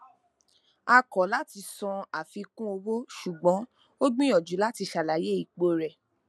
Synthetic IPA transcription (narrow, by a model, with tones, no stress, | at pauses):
a˧kɔ˨˦la˦ti˧sɔ̃˧a˨fi˧kũ˦o˧wo˦ʃu˨ɡ͡bɔ̃˨˦ | o˦ɡ͡bĩ˦ɔ˨d͡ʒu˨˦la˦ti˧ʃa˨la˨˦je˦i˨k͡po˨˧ɾɛ˨